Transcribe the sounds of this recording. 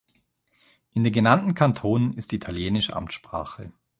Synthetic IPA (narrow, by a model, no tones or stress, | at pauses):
ʔɪndeːnɡənantn̩kʰantʰoːnənɪstd̥iːitʰaljeːnɪʃə̰ʔa̰mtʃpʁ̥aːχə